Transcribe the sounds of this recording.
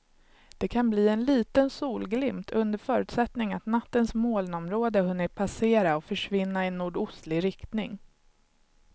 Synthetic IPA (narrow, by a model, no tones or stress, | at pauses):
d̪̥ɛkʰanbliːɛnliːt̪ənsuːlɡlɪmt̪ʰɵnd̪əɾfœːɾʉːt̪sɛt̪nɪŋat̪nat̪ːənsmoːlnɔmɾoːd̪əhɵnːəɾpʰaseːɾaɔfœʂvɪnːaɪnːuːɖʊst̪lɪɾɪkt̪nɪŋ